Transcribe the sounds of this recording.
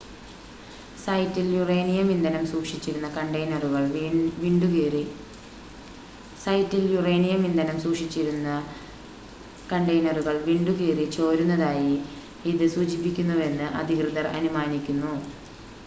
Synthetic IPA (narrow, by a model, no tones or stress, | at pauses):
sɐjtːiljurejnijɐmind̪ɐnɐmsuːkʂit͡ɕːiɾunːɐkɐɳɖɐjnɐruɣɐɭʋiːɳɖukiːri | sɐjtːiljureːnijɐmind̪ɐnɐmsuːkʂit͡ɕːiɾunːɐ | kɐɳɖɐjnɐruɣɐɭʋiːɳɖuɣiːrit͡ɕo̞ːɾunːɐðaːji | iðɨsuːd͡ʑipːikʲːunːuʋe̞nːɨʔɐ̰d̪ʱikrɨðɐrɐ̰numaːnikʲːunːu